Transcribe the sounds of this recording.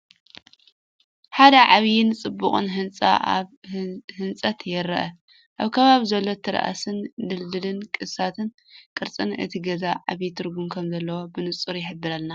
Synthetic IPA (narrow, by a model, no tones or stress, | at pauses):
ħad̪ɐʕaβjɪnt͡sʼɨbːuχʼɨ̰nɦɨnt͡sʼa̰ʔaβhɨnt͡sʼɐt̪jɛɾɐ̰ʔɐ | ʔaβkʰɐβaβizɐlːo̞t̪ʰɨɾa̰ʔa̰sɨnd̪ɨld̪ɨlɨnkʼɨsat̪ʰɨn | kʼɨɾt͡sʼɨnɨ̰t̪ʰiɡɐzaʕaβjit̪ʰɨɾɡumkʰɐmzɐlːɐwobɨnɨt͡sʼɨɾjɪħɨbːɨɾɐlna